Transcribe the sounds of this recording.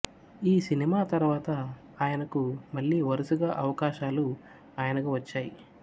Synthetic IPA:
iːsinimaːt̪ɐɾʋaːt̪ɐ | aːjɐnɐkumɐɭːiːʋɐɾusuɡaʔɐʋɐkaːʃaːlu | aːjɐnɐkuʋɐt͡ʃːaːji

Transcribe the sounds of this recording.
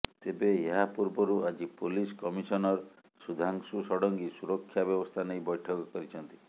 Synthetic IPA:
t̪ebeeɦapuɾbɔɾuad͡ʒipuliskɔmisɔnɔɾ | sud̪ʱaŋsusɔɽɔŋɡisuɾɔkʰːjabjɔbɔst̪ʰanejbɔjʈʰɔkɔkɔɾit͡ʃʰɔnt̪i̥

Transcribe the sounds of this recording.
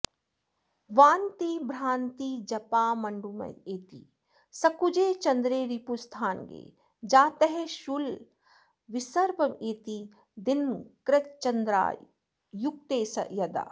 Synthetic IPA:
ʋaːnt̪ibʱɾaːnt̪id͡ʒɐpaːmɐɳɖumɐ̰jeːt̪ḭː | sɐkud͡ʒeːt͡ʃɐnd̪ɾeːɾipust̪ʰaːnɡḛː | d͡ʒaːt̪eɦɛʃul | ʋɪsɐɾpɐmeːt̪i | d̪ɪnkɾɪt̪t͡ʃɐnd̪ɾa̰ː | jʊk̚t̪eːsɐ̰jɐd̪a̰ː

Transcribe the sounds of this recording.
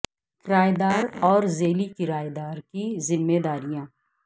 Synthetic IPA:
kɪɾaːjd̪aːɾɔːɾzeːlikɪɾaːjd̪aːɾkizɪmːeːd̪aːɾijãː

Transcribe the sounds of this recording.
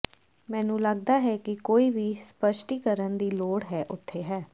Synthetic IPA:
mɛ̃ːnũːləɡd̪aːɦɛːkɪkoːiːʋiːspəʃʈiːkəɾənd̪iːloːɽɦɛːʔʊt̪ʰːeːɦɛː

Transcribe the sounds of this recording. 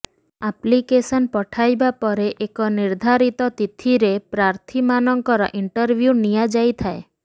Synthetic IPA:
aplikesənpɔʈʰajbapɔɾeʔekɔniɾd̪ʱaɾit̪ɔt̪it̪ʰiɾepɾaɾt̪ʰimanɔŋkɔɾɔ̰ʔiɳʈəɾʋjunijad͡ʒajt̪ʰae

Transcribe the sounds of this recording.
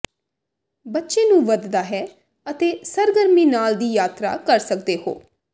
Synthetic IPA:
bətːʃeːnũːʋəd̪d̪aːɦɛː | ət̪eːsəɾɡəɾmiːnaːld̪iːjaːt̪ɾa̰ːkəɾsəkd̪eːɦo̰ː

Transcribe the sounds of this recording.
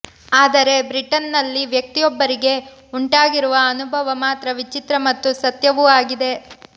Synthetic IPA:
aːd̪ɐɾe̞bɾiʈɐnːɐlːiʋjɐk̚t̪ijɔbːɐɾiɡe̞ | uɳʈaːɡiɾuʋɐːnubʱɐʋɐmaːt̪ɾɐʋit͡ʃit̪ɾɐmɐt̪ːusɐt̪jɐʋuaːɡid̪e̞

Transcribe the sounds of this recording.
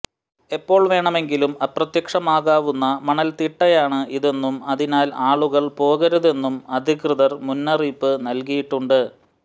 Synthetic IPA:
e̞pːo̞ːɭʋe̞ːɳɐme̞ŋɡilumɐprɐt̪jɐkʂɐmaːɣaːʋunːɐmɐɳɐlt̪iʈːɐjaːɳɨʔiðe̞nːumɐðinaːlaːɭuɣɐɭpo̞ːɣɐɾuðe̞nːumɐd̪ʱikrɨðɐrmunːɐriːpːɨnɐlkijiʈːuɳɖɨ

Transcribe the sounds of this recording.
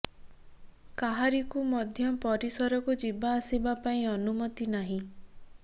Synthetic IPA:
kaɦaɾikumɔd̪ʱjɔpɔɾisɔɾɔkud͡ʒibaːsibapaĩɔnumɔt̪inaɦĩ

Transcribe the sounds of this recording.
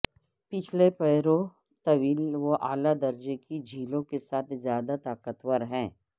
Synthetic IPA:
pɪt͡ʃʰlepɛɪɾõ | t̪ɐʋiːlʋoʔaːlad̪ɐɾd͡ʒekid͡ʒʱiːlõkesaːt̪ʰzjaːd̪at̪aːkət̪wəɾɦɛ̃ː

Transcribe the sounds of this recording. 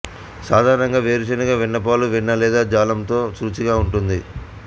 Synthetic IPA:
saːd̪ʱaːɾɐɳɐŋɡaːʋeːɾit͡ʃɐnɐɡaːʋiɳːɐp̬aːluʋiɳːɐlɛːd̪aːd͡ʒaːlɐmt̪o̞ːsut͡ʃiɡaːuɳʈund̪i

